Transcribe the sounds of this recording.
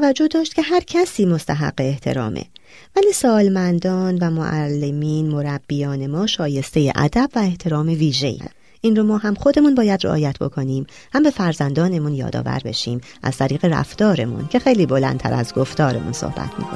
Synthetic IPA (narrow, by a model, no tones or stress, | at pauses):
væd͡ʒːo̞hd̪ɒːʃt̪̚cʰʲe̞ɦæɾcʰæsiːmo̞st̪ʰæɦæ̰ɢːeːht̪ʰe̞̰ɾɒ̰ːmʔḛ | væliːsɒːlmænd̪ɒːnvæmo̰ʔælːe̞miːnmo̞ɾæb̥ːijɒːne̞mɒːʃɒːje̞st̪e̞je̞̰ʔæ̰d̪æb̥væe̞ht̪ʰe̞ɾɒːme̞viːʒe̞̰jḭ | ʔinromɒːɦæmxo̞d̪e̞munbɒːjæd̪reʔɒ̰ːjæt̪ʰbo̞̰kʰo̞niːm | hæmbe̞fæɾzænd̪ɒːne̞munjɒ̰ːd̪ɒ̰ːvæ̰ɾbe̞̰ʃiːmʔæ̰z̥t̪ʰæɾiːɣe̞ɾæ̰ft̪ɒːɾe̞mṵncʰe̞xe̞jliːbo̞læ̰nt̪ʰæ̰ɾæ̰zɡo̞ft̪ɒːɾe̞mṵnso̰hbæ̰t̪ʰmḭːko̰